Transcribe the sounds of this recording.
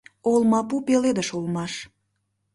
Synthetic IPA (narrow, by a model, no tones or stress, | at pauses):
olmɑpupeled̪əʃulmɑʃ